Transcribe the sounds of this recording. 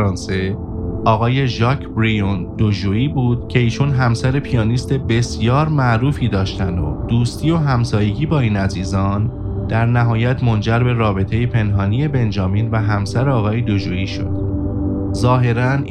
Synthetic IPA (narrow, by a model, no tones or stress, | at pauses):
ɾɒːnse̞ | ʔɒːɣɒːje̞ʒɒːcʰbɾijond̪̥od͡ʒuːiːbuːd̪̥̚cʰe̞iːt͡ʃʰunɦæmsæɾe̞pʰijɒːnist̪e̞be̞sjɒːɾmæʔɾuːfiːd̪ɒːʃt̪ænd̪o̰d̪̥uːst̪ʰiːo̞ɦæmsɒːje̞ɟiːbɒːiːnæziːzɒːn | d̪̥æɾnæɦɒːjæt̪ʰmo̞nd͡ʒæɾbe̞ɾɒːbe̞t̪ʰe̞jepʰe̞nɦɒːnije̞be̞nd͡ʒɒːmiːnvæɦæmsæɾeɒːɣɒːje̞d̪od͡ʒuːiːʃo̞̰d̪̥ | zɒːɦe̞ɾæn